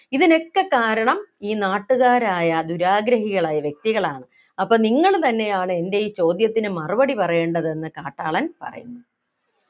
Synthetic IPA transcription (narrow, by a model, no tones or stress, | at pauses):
iðine̞kːekaːɾɐɳɐmiːnaːʈːuɣaːɾaːjɐd̪uɾaːɡɾɐɦiɣɐɭaːjɐʋjek̚t̪iɣɐɭaːɳɨ | ɐpːoːniŋːɐɭt̪ɐnːe̞jaːɳɨe̞nde̞jt͡ɕo̞ːd̪jɐt̪ːinɨmɐrɨbɐɽipɐrɐje̞ːɳɖɐðe̞nːɨkaːʈːa̰ːɭɐnpɐ̰rɐ̰junːu